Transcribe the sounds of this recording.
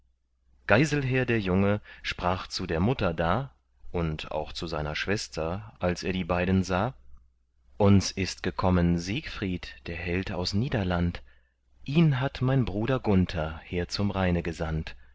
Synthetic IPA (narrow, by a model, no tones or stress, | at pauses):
ɡ̥aɪzl̩ɦɛːɐdeːɐjʊŋəʃpʁ̥aːχt͡sudeːɐmʊtɐdaː | ʔʊnta̰ʊxt͡suzaɪnɐʃv̥ɛstʰɐʔalseːɐdiːbaɪdn̩zaː | ʔʊnsʔɪst̚ɡ̥əkʰɔmənziːkfʁ̥iːtd̥eːɐɦɛlta̰ʊsniːdɐlant | ʔiːnɦatmaɪnbʁuːɾɐɡʊntʰɐhiːɐt͡sʊmʁaɪnəɡəzant